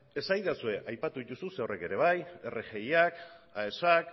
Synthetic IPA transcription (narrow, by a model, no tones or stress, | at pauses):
e̞sajðasue̞ʔajpat̪uðit̪ususeorʔe̞ke̞ɾe̞β̞aje̞rʔeʝe̞jakae̞sak